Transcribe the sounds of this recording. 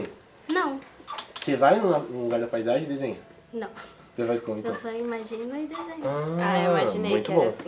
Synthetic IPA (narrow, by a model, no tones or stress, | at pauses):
nɐ̃w̃sevajnũɐnũluɡaɾd̪ɐpajzaʒẽd̪ezẽɲa | nɐ̃w̃ | sevajkõmik̪ewsɔimaʒĩnʊid̪ezẽjaamaʒĩeũj̃t̪ʊbõ